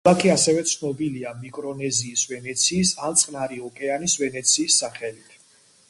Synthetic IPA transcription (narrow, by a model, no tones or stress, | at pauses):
lˠakʰiasɛvɛt̪sʰnɔbiliamikʼɾɔnɛziːsvɛnɛt̪sʰiːsant̪sʼqʼnaɾiɔkʼɛanisvɛnɛt̪sʰiːsːaχɛlit̪ʰ